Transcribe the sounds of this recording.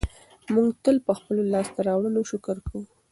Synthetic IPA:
muŋɡt̪əlpəxpəlolɑst̪aɾɑwɽəloʃʊkəɾkw

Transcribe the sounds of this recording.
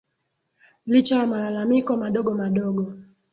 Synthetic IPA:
lit͡ʃajamalalamikɔmaɗɔɡɔmaɗɔɡɔ

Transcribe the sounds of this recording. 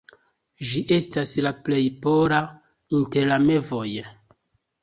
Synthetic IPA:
d͡ʒiʔe̞staslaple̞jpoɾa | inte̞ɾlame̞vo̞j

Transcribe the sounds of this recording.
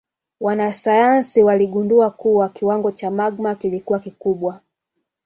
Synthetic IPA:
wanasajansiwaliɠunduakuwakiwaŋɡɔt͡ʃamaɡmakilikuwakikuɓwa

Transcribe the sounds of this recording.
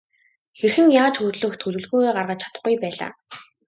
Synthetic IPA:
xerxɘ̆ŋjaːt͡ɕxut̪ɮɵ̆xt̪ʰɵɮɵ̆ɮɣuːɣeːɢarʁə̆t͡ɕʰḁt̪ə̆χɡujpæːɮa̰ː

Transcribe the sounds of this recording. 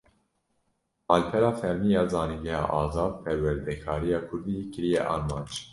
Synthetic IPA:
mɑːlpʰɛɾɑːfɛɾmiːjɑːzɑːniŋɡɛhɑ̰ːʔɑːzɑːd̪̚pʰɛɾwɛɾd̪ɛkʰɑːɾijɑːkʰʊɾd̪ikɨɾijɛʔɑːɾmɑːnd͡ʒ

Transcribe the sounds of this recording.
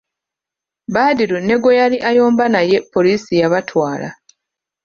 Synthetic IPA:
baːdiɾune̞ɡo̞jaliʔajo̞ːmbanaje̞pːo̞liːsijaβatʰwaːla̰

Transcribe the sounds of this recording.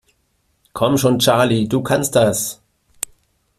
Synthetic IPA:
kʰɔmʃoːnt͡ʃaɐliduːkʰanstd̥as

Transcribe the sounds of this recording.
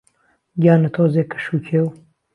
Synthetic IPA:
ɡʲaːnɐt̪ʰoːzeːkə̥ʃuːkʰeːw

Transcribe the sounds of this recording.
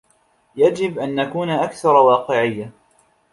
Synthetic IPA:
jad͡ʒɪbʔanːakuːnaʔakθɑɾˤwɑːqɨʕɪjːa

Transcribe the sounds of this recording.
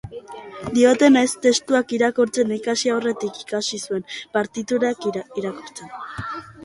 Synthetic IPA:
d̪io̞t̪e̞nest̪e̞st̪uakiɾakuɾt͡se̞nikasiaowre̞t̪iki̥kasisue̞mpaɾt̪it̪uɾakiɾakoɾt͡sen

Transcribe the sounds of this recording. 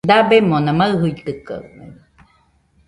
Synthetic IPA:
d̪abemonãmaɯɦɯit̪ɯka̰me

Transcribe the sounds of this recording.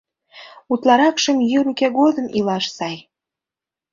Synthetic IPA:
ut̪lɑɾɑkʃəmjyɾukeɣod̪əmilɑʃsɑj

